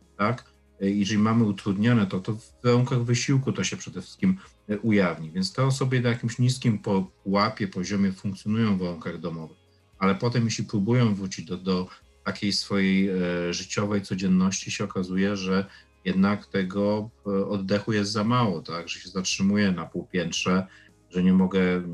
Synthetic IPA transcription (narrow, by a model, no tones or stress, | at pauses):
t̪ak | jɛʐɛlʲimamɘut̪ɾud̪ɲɔnɛt̪ɔt̪ɔvːaɾuŋkaɣvɘɕiwkut̪ɔɕɛpʂɛd̪ɛfʂɘ̥skʲim | ʔujavɲivʲjɛntst̪ɛɔsɔbʲjɛnajakʲimɕɲiskʲimpɔpwapʲjɛpɔʑɔmʲjɛfuŋk̚t̪sʲjɔnujɔ̃w̃vaɾuŋkaɣd̪ɔmɔvɘx | alɛpɔt̪ɛmjeɕlʲipɾubujɔ̃w̃vɾut͡ɕid͡ʑd̪ɔd̪ɔ | t̪akʲejsfɔjejʐɘt͡ɕɔvɛjt̪sɔd͡ʑɛnːɔɕt͡ɕiɕɛɔkazujɛʐɛ | jɛd̪nakt̪ɛɡɔɔd̪ːɛxujɛst̪zamawɔt̪aɡʐɛɕɛzatʂɘmujɛnapuwpʲjɛntʂɛ | ʐɛɲɛmɔɡɛ